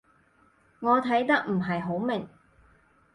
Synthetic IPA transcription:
ŋɔː˨˧t̪ʰɐ˨˥jt̪ɐ˥k̚m̩˨˩ɦɐ˨jɦo˨˥wmɪ˨ŋ

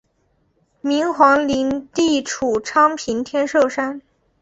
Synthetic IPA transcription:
mi˧˥ŋxwɑ˧˥ŋli˧˥nt̪i˥˩ʈ͡ʂʰu˨˩ʈ͡ʂʰɑ˥ŋpʰi˧˥nt̪ʰjɛ˥nʂɤ˥˩ʊʂa˥n

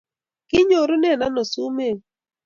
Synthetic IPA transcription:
kɪ˦ɲo˨ɾo˦nɛ˦˨na˦no˨su˦me˦˨

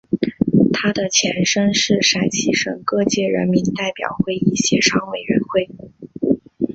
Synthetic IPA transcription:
t̪ʰa˥d̪ə˨t͡ɕʰjɛ˧˥nʂə˥nʂɻ̩˥˩ʂa˨˩ɪt͡ɕʰi˧˥ʂɤ˨˩ŋkɤ˥˧t͡ɕjɛ˥˩ɻə̰˧˥nmi˧˥nt̪a˥˩ɪpjɑ̰˨˩ʊxwe˥˧ɪi˥˩ɕjɛ˧˥ʂɑ˥ŋwe˨˩ɪɥɛ̰˧˥nxwe˥˩ɪ

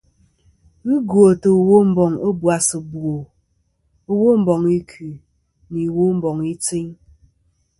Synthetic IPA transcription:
n̩˦ɡo˨tə˨o˨wo˦m̩˦bɔ˨ŋo˦bwa˨sɨ˨bwo˨ | o˦wo˦m̩˦bɔ˨ŋi˦kʰʉ˨ | ni˨wo˦m̩˦bɔ˨ŋi˦t͡si˦ŋ

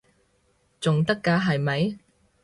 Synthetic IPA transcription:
t͡sʊ˨ŋt̪ɐ˥kːaː˧ɦɐ˨jmɐ˨˥j

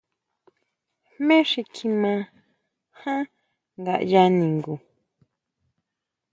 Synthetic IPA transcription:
mẽ˦ʂi˧kʰi˧mã˧ | hã˦ | ŋɡa˨ʔja˧nĩ˨ŋɡu˨

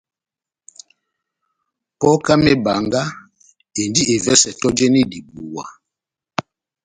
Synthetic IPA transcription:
pɔ˦ka˦mɛ˦ba˨ŋɡa˦ | e˨ndi˦e˨vɛ˦sɛ˨tɔ˦d͡ʒe˦ni˦di˨bu˨wa̰˨

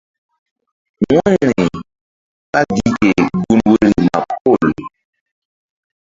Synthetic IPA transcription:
wɔ̃˦˨ɾi˨ | ka˦ɡi˦˨ke˨ɡu˦nwe˦ɾi˨ma̰˨po˦˨l

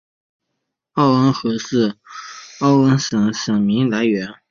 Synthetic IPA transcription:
ɑ˥˩ʊə˥nxɤ˧˥ʂɹ̩˥˩ | ɑ˥˩ʊə˥nʂə˨˧˥ŋʂɤ˨˩ŋmi˧˥ŋla˧˥ɪɥɛ˧˥n

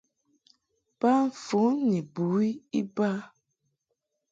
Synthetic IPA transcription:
b̥a˦ɱ̩˨fu˨˦ni˨bu˨˦i˦i˦ba˦

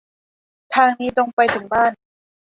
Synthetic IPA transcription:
t̪ʰaː˧ŋniː˦˥lo˧ŋpa˧jt̪ʰɯ˩˦ŋbaː˥˩n

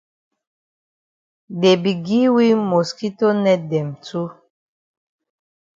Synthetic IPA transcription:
de˨bi˨ɡi˦wi˦mo˨ski˦to˦nɛ˦dɛ˨mtu˦

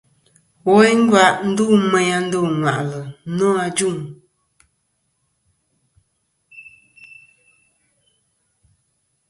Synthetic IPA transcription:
wɔ˦e˦ŋ̩˦ɡwa˦˨ʔn̩˦du˦˨mɛ˨a˦n̩˦do˦˨ŋwa̰˨ʔlə˨˦nɔ˦a˧d͡ʒu˦˨ŋ

